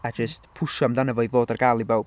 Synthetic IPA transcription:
ad͡ʒəstpʰʊʃɔamdanəvɔivoːdarɡaːlˠibaw

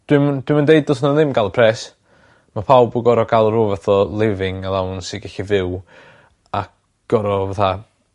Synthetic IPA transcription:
d̥wimd̥wimandeɨd̚ɔsnənðɪmɡalˠəpʰrɛs | mapʰawbuɡɔɾɔɡalˠəɾovaθɔlˠɪvɪŋalˠawnsiɡɛɬivɪw | a | ɡ̥ɔɾɔvaθa

